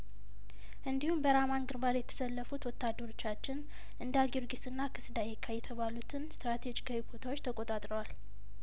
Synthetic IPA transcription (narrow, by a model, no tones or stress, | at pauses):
ʔɨnd̪ihumbəɾamanɡɨɾbaɾjɛt̪ʰə̥səlːəfut̪wɔt̪ːad̪ːəɾo̞t͡ʃːat͡ʃːɪn | ʔɨnd̪aɡiɾɡisɨnːakʰɨsd̪ajɛkʰːajɛt̪ʰəβalut̪ʰɨnst̪ɾat̪ʰed͡ʒikʰawibot̪ʰawot͡ʃːt̪ʰəkʼot̪ʼat̪ʼɾəwal